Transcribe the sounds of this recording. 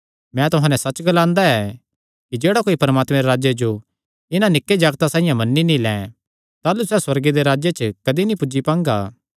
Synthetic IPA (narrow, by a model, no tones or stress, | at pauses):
mɛ̃t̪ʊɦãːnɛ̃sɐt͡ʃɡɐlãːnd̪aɛ | kid͡ʒeːɽakoːipɐɾmaːt̪mɛ̃ɾeɾaːd͡ʒjed͡ʒo | ɪnãnɪkːed͡ʒaːɡt̪asãːɪ̃jãmɐnːinĩlɛ̃ː | t̪aːlusɛːswɐɾɡid̪eɾaːd͡ʒjet͡ʃəkɐd̪inipʊd͡ʒipãːŋɡa̰ː